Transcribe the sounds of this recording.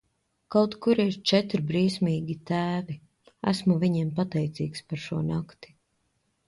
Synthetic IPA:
kawt̪kuɾiɾt͡ʃɛt̪ɾbɾiːsmiːɡʲit̪æːvi | æ̰smuviɲiːmpat̪ɛjt̪sḭːkspaɾʃuɔnakt̪i̥

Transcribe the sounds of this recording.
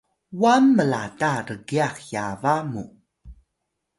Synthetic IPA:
wamːəlataɾəɡiaxja̰vamṵ

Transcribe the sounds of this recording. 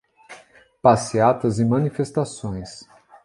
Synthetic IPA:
pasiat̪ɐzɪmɐ̃nifest̪asõj̃s

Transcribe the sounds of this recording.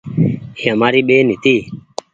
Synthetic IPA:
hjamaɾiɓenit̪i

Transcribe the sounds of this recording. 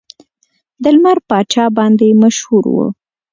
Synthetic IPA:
d̪əlmaɾpɑt͡ʃɑbɑnd̪emaʃhuɾwṵ

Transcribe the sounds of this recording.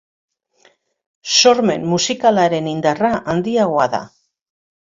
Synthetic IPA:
so̞ɾme̞̰nmusikalaɾe̞nind̪araʔand̪iaɣo̞aða̰

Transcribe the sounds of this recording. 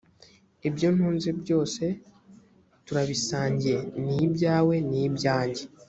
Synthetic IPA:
ebjon̥huːnzibjo̞ːse̞ | tuɾaβisaːɲɟienibjaːwe̞nibjaːɲɟe

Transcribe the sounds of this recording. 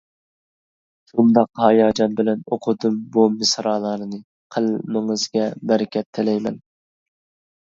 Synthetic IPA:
ʃund̪ɑqhɑjɑːd͡ʒɑnbɪlɛnoqʰʊd̪ɨmbumɨsɾɑːlˠɑɾɨnɨ | qʰəlmɪŋɨzɡʲɛbɛɾɪkʲʰɛt̪ʰːɪlɛjmɛn

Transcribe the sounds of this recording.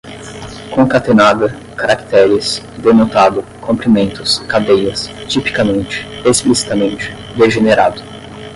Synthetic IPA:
kõkat̪enad̪ɐ | kaɾakt̪ɛɾɪs | d̪enot̪ad̪ʊkʰõmpɾimẽnt̪ʊskad̪ejɐst͡ʃipi̥kamẽnt͡ʃɪ̥esplisi̥t̪amẽnt͡ʃɪ̥ | d̪eʒeneɾad̪ʊ

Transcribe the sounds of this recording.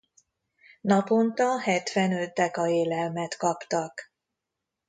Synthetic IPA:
nɒpo̞nt̪ɒɦɛt̪ʋɛnø̞t̪̚d̪ɛkɒeːlɛlmɛt̪kɒpt̪ɒk

